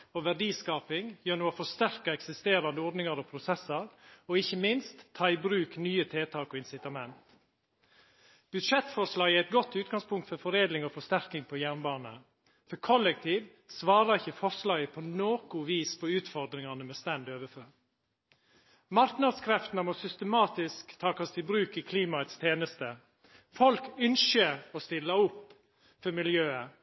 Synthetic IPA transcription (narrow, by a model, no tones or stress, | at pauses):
oʋæɖiːskɑːpɪŋjøːnuːɔfɔʂt̪æɾkəɛksɪst̪eːɾɑnd̪əɔɾɖnɪŋɑɾɔpʰɾʊsɛsːəɾɔɪçːəmɪnst̪ʰːɑːɪbɾʉːknyːət̪ʰeːt̪ʰɑːkɔɪnsɪt̪ɑmɛnt̪ | b̥ʉd̪ʂɛt̪fɔʂlɑːɡææɪt̪̚ɡɔt̪ːʉːt̪ɡɑŋspʰʊŋkt̪fɔɾfɔɾeːd̪lɪŋɔːfɔʂt̪æɾkɪŋpʰɔjæɾnbɑːnə̰ | fɔɾkʰɔlːɛk̚t̪ʰiːʋ | sʋɑːɾɑɪçəfɔɾʂlɑːɡəpʰɔnoːkʊʋiːspʰɔʉːt̪fɔɾd̪ɾɪŋɑnəmɛst̪ænd̪øːʋəføɾ | mɑɾknɑd̪skʰɾɛft̪nəmɔsʏst̪əmɑːt̪ɪskt̪ʰɑːkɑst̪ɪbɾʉːkɪkʰliːmɑət̪st̪ʰeːnəst̪ə | fɔlkʏnʃəɾɔst̪ɪlːɑʊpː | fɔɾmɪljøːə